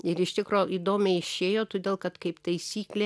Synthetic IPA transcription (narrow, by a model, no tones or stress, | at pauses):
ɪɾɪʃt̪ʲɪkɾoːʔiːd̪oːmʲɛɪɪʃʲeːjoːt̪oːd̪ʲeːlˠkɐt̪kɐɪpt̪ɐɪsʲiːklʲe